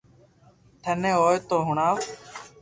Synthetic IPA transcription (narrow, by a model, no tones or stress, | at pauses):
t̪ʰənẽːɦoːjt̪oːɦʊɳaːʋ